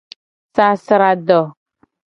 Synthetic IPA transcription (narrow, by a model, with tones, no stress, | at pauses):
sa˦sɾa˨dɔ˨